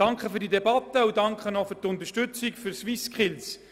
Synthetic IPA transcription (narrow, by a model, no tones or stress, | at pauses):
d̥ɑŋkχəfyɾdid̪ɛbɑt̪ːəudɑŋkχənɔfʏɾt̪ʊnt̪əʃtɵt͡sikfyɾsʋiskχɪls